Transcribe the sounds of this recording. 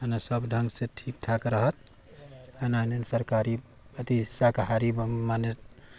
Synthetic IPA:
ɦənasəbɖʱəŋɡsẽʈʰik̚ʈʰakɾəɦət̪̚ | ənanensəɾkaɾi | ət̪isakɦaɾibmane

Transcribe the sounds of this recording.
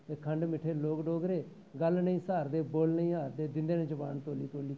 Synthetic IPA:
t̪eːkʰəɳɖmɪʈʰeːloːkɖoːɡɾeː | ɡəlnəĩːsaːɾd̪eːboːlnəĩːɦaːɾd̪eːd̪ɪnd̪eːnẽːd͡ʒəbaːnt̪oːliːt̪oːliː

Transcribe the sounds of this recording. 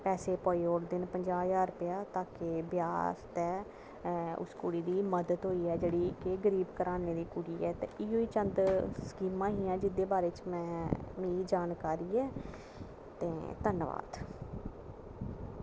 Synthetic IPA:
pɛːseːpɔːiːoːʈd̪ɪnpəɲd͡ʒaːjaːɾpɪjaːt̪aːkɪbjaːst̪ɛː | ʊ̰skuːɽiːd̪iːməd̪ət̪ɦoːiːɛːd͡ʒeːɽiːkɪɡəɾiːbkəɾaːneːd̪iːkuːɽiːɛːt̪ḛ̃ːʔɪːɦoːiːt͡ʃənd̪skiːmãːɦiːãːd͡ʒɪd̪eːbaːɾeːt͡ʃmɛ̃ːmĩːd͡ʒaːnkaːɾiːɛː | t̪ẽːt̪ənʋa̰ːd̪

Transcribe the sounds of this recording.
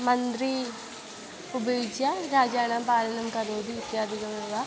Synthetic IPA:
mɐnd̪ɾiː | pʊbeːd͡ʒjaːɾaːd͡ʒaːnãːpaːlənəmkɐɾoːd̪iɪk̪ːjaːd̪ɪkəmɪʋaː

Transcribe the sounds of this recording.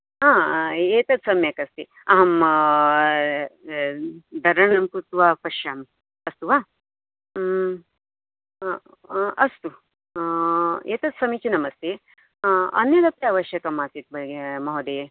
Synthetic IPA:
ɦaːeːt̪ɐt̪sɐmjɐkɐst̪i | ɐɦɐm | d̪ɐɾɐɳɐmkut̪ʋaːpɐʃjaːm | ɐst̪uʋaː | ɐst̪u | eːt̪ɐt̪̚sɐmit͡ʃunɐmɐst̪ʰe | ɐ̰njɐd̪ɐpɾaːʋɐʃjɐkɐmaːsit̪̚bɐɡemɐɦod̪eː

